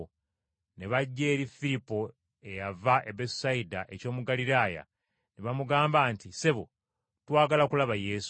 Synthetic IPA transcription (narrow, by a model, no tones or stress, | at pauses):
ne̞βaɟːe̞ːɾifilipo̞ | e̞javaʔebessaidaʔe̞co̞ːmuɡaliɾaːja̰ | neβamuɡaːmbaːntiseβo | twaːɡalakulaβaje̞ːsu̥